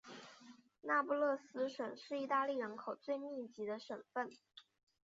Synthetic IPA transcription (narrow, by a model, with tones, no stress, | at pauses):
na˥˧pu˥˧lɤ˥˩sɹ̩˥ʂwə˨˩nʂɻ̩˥˧i˥˧t̪a˥˧li˥˩ɻə˧˥nkʰo˨˩ʊt͡swe˥˧ɪmi˥˩t͡ɕi˧˥d̪ə˧ʂə˨˩nfə˥˩n